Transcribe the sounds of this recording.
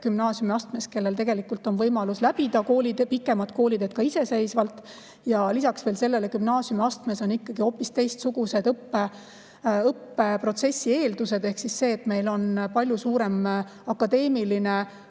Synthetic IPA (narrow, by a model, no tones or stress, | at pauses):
kymnɑːsjumiɑst̪me̞ske̞lːe̞lt̪e̞ɡ̥e̞likːult̪ːˑo̞nvɤjmɑluslæb̥id̪̥ɑko̞ːlʲid̪epikːˑe̞mɑt̪̚ko̞ːlʲid̪ed̪̥̚kɑise̞se̞jsvɑlt̪ːˑ | jɑlisɑksve̞ːlse̞lːe̞lekymnɑːsjumiɑst̪mesonikːɑɡ̥io̞pːist̪e̞jst̪suɡ̥use̞d̪ɤpːe | ɤpːe̞pro̞t̪se̞sʲːie̞ːld̪use̞d̪̥ehksisse̞ːt̪me̞jlo̞npɑlʲjusuːɾe̞m | ɑkːˑɑd̪e̞ːmiline̞